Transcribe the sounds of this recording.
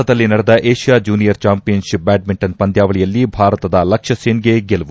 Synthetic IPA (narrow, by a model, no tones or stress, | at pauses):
ɐd̪ɐlːinɐɽed̪ɐʔeːʂijaːd͡ʒuːnijɐɾt͡ʃaːmpijɐnʃip̚baːɖ̚miɳʈɐnpɐnd̪jaːʋɐɭijɐlːibʱaːɾɐt̪ɐd̪ɐlɐkʂɐseːnɡeɡelɐʋu